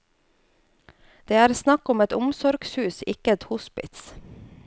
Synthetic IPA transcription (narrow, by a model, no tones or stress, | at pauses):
d̪̥eːæːɾsnɑkʊmɛt̪ʊmsɔɾɡshʉːsɪkəɛt̪hʊspɪ̰t̪s